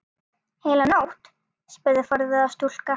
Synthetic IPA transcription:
heːjlanawht̪ | spɛɾðɪfaɾðɪast̪ul̥ka

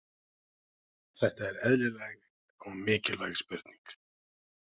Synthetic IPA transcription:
θɛht̪aɛɾɛðlɪlɛjɣ | ɔɣmɪːcɪlvajɣspœɾ̥t̪ni̥ŋk

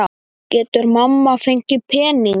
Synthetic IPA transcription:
a | cɛːt̪ʏɾmamːafeɲcɪpʰɛːniŋ

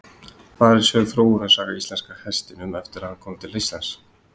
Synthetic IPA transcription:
kaːðɛɾ̥sœːɣθɾoːwʏɾaðsaːɣaist̪ɛnskahɛst̪ɪnʏmɛft̪ɪɾaðhankʰɔːmt̪ʰɪlːejst̪lans

